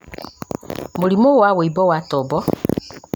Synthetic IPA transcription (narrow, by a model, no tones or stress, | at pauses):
moɾimowaweibɔwatɔbɔ